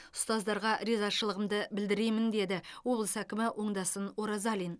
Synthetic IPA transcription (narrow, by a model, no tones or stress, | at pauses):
ʊ̥st̪ɑzd̪ɑɾʁɑɾe̞zɑʃəlˠəʁəmd̪əbɪld̪ɪɾe̞mɪnd̪e̞d̪ɪwo̞blˠəsækʲɪmɪwʔo̞ɴd̪ɑsənwo̞ɾɑzɑlʲin